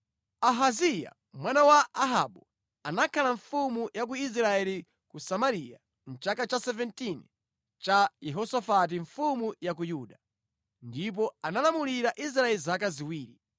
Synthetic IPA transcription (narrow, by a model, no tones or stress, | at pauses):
aɦazija̰ | mwanawaaɦa̰ɓu | anakʰalaɱfumujak̬uis̬ɾaɛli | kusamaɾija̰ | n̩t͡ʃakat͡ʃasɛvɛntin | t͡ʃajɛɦɔsɔfat̬iɱfumujak̬ujuːɗa | ndip̬ɔanalamuliɾaʔis̬ɾaɛlizakaziwiːɾi